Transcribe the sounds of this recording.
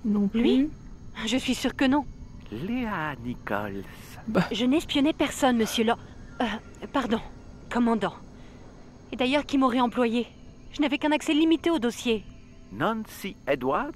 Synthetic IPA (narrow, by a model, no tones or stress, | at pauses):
nɔ̃lɥi | ʒəsɥisyʁkənɔ̃ | leanikɔ̰lsʒənɛ̃spjɔnɛpɛʁsɔnməsjølɔ | paʁd̪ɔ̃kɔmɑ̃d̪ɑ̃ | ed̪ajœʁkʲimɔʁɛɑ̃plwaje | ʒ̥ənavɛkɛ̃naksɛlimit̪eod̪osje | nɑ̃nsied̪waʁd̪